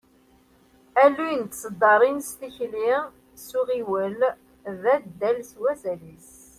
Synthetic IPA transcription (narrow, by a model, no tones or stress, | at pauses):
ælujənt̪səd̪ːɑɾˤinst̪içli | suʁiwəl | ðæd̪ːælswæzælis